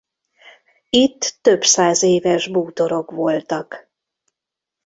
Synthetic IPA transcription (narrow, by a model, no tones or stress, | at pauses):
it̪ːø̞bsaːzeːvɛʒbuːt̪o̞ɾo̞kvo̞lt̪ɒk